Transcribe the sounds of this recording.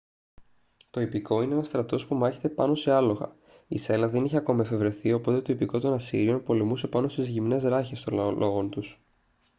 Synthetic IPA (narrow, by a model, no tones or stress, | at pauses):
t̪o̞ipiko̞ineenɐst̪ɾɐt̪o̞spumɐçet̪e̞pɐno̞se̞ɐlo̞ɣɐ̰ | ise̞lɐðe̞niçiɐko̞mɐefe̞vɾe̞θio̞po̞t̪et̪o̞ipiko̞t̪o̞nɐsiɾio̞npo̞le̞muse̞pɐno̞st̪izʝimne̞zɾɐçe̞st̪o̞llʔo̞ɣo̞nt̪us